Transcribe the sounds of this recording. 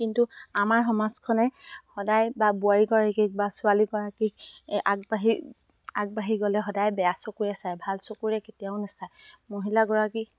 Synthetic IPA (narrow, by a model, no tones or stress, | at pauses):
kintuamaɹɦɔmazkʰɔnɛhɔdajbabʊaɹiɡɔɹakik̚basʊaliɡɔɹakik̚aɡ̚baɦi | ak̚baɦiɡɔlɛɦɔdajbɛjasokuɹɛsajbʱalsokuɹɛketijaʊnasajmoɦilaɡɔɹaki